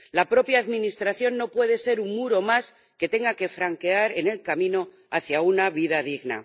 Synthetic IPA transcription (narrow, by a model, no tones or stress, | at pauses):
lapɾo̞pjaːðmĩnist̪ɾaθjo̞nːo̞pwe̞ðe̞se̞ɾuŋmuɾo̞mas | ke̞t̪e̞ŋɡake̞fɾaŋke̞aɾe̞ne̞lkamĩno̞ | aθjaunaβiðaðiɣna̰